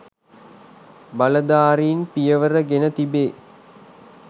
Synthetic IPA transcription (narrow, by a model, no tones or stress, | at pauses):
bɐləd̪aːɾiːnpijəʋəɾəɡenət̪ibeː